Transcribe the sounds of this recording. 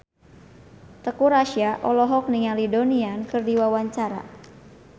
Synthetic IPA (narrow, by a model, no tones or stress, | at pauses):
t̪əkuɾaʃiaʔɔlɔɦɔk̚niŋalidoniankɨrdiwawaɲt͡ʃaɾa̰